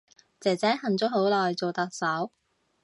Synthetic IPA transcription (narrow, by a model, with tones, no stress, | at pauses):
t͡sɛː˨˩t͡sɛː˨˥hɐ˨˩nt͡sʊ˥ho˨˥wlɔː˨jt͡so˨wt̪ɐ˨k̚sɐ˨˥w